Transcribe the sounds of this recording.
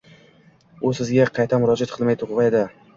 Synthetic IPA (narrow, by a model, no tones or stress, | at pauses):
ʊsɪzɡʲaqʰɑjt̪ʰamʊɾɒd͡ʒat̪̚qʰɨlˠmajt̪ʰʊʁʁɑed̪ɪ